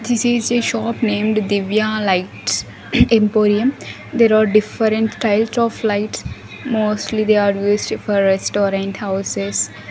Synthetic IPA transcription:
d̪ɪsizeʃɔːpnẽːmɖd̪ɪʋjãlaɪʈ | ẽmpoːɾiə̃m | d̪eːɾaːɾɖɪfəɾə̃ɳʈʈaɪlsɔːflaɪʈs | moːsʈlid̪eːaɾjuːsʈfɔɾːɛsʈɔːɾãɳʈhaʊsez

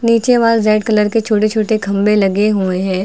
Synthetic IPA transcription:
niːt͡ʃeʋaːlzɛːʈkɐləɾket͡ʃʰoːʈet͡ʃʰoːʈekʰɐ̃mbelɐɡeɦueɦɛ̃ː

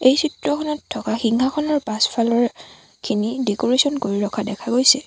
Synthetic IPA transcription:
ejsʰitɹɔkʰɔnɔtʰːɔkaxiŋkʰakʰɔnɔɹpaspʰalɔɹ | kʰinidekoɹesɔnkoɹiɹɔkʰadɛkʰaɡojsɛ

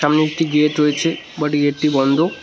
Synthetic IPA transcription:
amneek̚ʈiɡeʈɾoet͡ɕʰe | baʈiɡeʈ̚ʈibɔnd̪ʱo

